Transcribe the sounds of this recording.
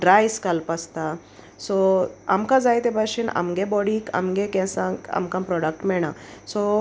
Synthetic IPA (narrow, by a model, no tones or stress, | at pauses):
ɖɾajskalpast̪a | sɔamkãd͡zajt̪ebaɕina̰mɡebɔɽika̰mɡekɛ̃sãka̰mkãmpɾɔɽək̚ʈmɛɽ̃asɔ